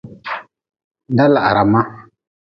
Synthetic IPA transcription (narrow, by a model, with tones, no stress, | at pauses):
da˦la˨ʔa˨ɾa˨ma˦